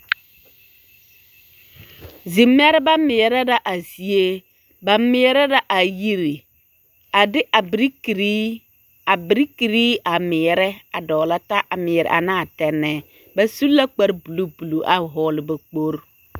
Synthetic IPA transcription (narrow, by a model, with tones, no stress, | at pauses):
zi˨mɛ˦ɾɛ˦ba˦mɪ˨ɛ˨ɾɛ˦da˦ʔa˨zi˨e˦ | ba˨mɪ˦ɛ˦ɾɛ˦da˦ʔa˨ji˦ɾi˨ | a˨dɪ˦ʔa˨bɾi˦ki˨ɾi˦ | a˨bɾi˦ki˨ɾi˦ʔa˨mɪ˨ɛ˨ɾɛ˦a˨dɔ˨la˦ta˦ʔa˨mɪ˨ɛ˨ɾɛ̰˨ʔa̰˨naː˦˨tɛ˨nːɛ˦ | ba˨su˦lːa˦k͡pa˦ɾbu˨lu˦bu˨lu˨ʔa˨ɦɔ˦lɪ˨ba˨k͡po˦ɾ